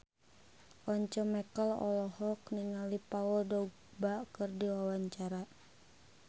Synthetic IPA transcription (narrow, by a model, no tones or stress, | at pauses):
ɔɲt͡ʃɔmɛkəlɔ̰lɔhɔk̚niŋalipauldɔɡ | bakɨrdiwawaɲt͡ʃaɾa